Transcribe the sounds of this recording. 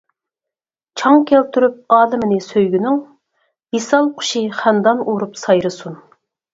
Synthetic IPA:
t͡ʃʰɑŋkʲʰælt̪ʰyɾyp̚ɑːlˠɪmɪnɪsøjɡʲynɪŋ | hisɑlˠqʰʊ̥ʃiχænd̪ɑnuɾupsɑjɾɨsun

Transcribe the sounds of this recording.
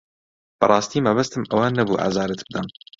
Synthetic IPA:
b̥ɐrˤɑːst̪iːmɐβɐst̪ɨmɐwɐnɐbuːʔa̰ːzɑːɾɨt̪bɨd̪ɐm

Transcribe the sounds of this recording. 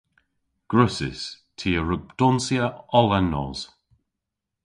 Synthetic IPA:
ɡ̥ɹʉsɪ̰s | tʰiːəɹʊɡ̚d̥ɔnsjəɔlənːɔ̰ːz̥

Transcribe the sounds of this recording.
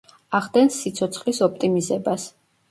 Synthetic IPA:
aʁd̪ɛnsːit̪sʰɔt̪sʰχlisɔp̚ʰt̪ʼimizɛbas

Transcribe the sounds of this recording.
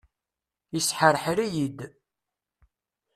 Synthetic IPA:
əsħəɾħɾijid̪

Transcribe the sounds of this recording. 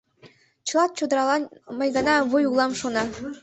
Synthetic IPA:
t͡ɕɤlˠɑt̪̚t͡ɕod̪ɾɑlˠɑmɑjɡɑnɑβojulˠɑmʃonɑ

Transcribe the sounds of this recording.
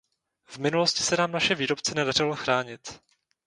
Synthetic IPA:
vmɪnuloscɪ̥sɛnaːmnaʃɛviːɾo̞pt͡sɛnɛdar̝ɪloxɾaːɲɪt̪

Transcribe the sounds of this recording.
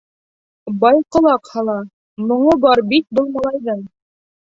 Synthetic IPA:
bɑjqŏlˠɑqhɑlˠɑ | mŏɴɤbɑɾbit̪̚bŏlˠmɑlˠɑjðɤɴ

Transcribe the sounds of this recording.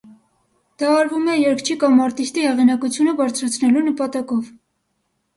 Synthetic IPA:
d̪̥ɑːɾvumɛjɛɾkʰt͡ʃʰikɑmɑɾt̪ist̪ihɛʁinɑkut͡sʰjunəbɑɾt͡sʰɾɑt͡sʰnɛlunəpɑt̪ɑkɔv

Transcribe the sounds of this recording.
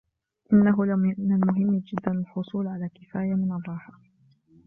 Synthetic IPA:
ʔɪnːaɦʊlnalmʊɦɪmːd͡ʒɪd̪ːanalħʊsˤuːlʕalaːkɪfaːjamɪnɑdˤɑːħa

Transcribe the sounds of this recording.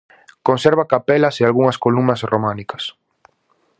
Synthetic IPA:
kõnsɛɾβakapɛlɐsealɣuŋɐskolumnɐsromãnikɐs

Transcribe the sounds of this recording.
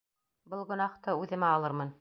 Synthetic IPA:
bɤlˠʁŏnɑχt̪ɤʉðɘ̆mæɑlˠɤɾmɤn

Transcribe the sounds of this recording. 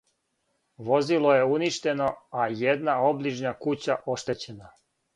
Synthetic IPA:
ʋo̞zilˠoje̞uniʃt̪e̞no̞ajed̪nao̞bliʒnakut͡ɕaʔo̞ʃt̪e̞t͡ɕe̞na

